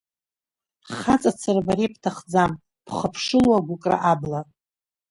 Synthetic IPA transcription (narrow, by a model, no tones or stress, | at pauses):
χat͡sʼat͡sʰarbaɾep̚ʰtʰaχd͡zam | pʰχəpʰʂɨlwaɡʷʊkʼra̰ʔabla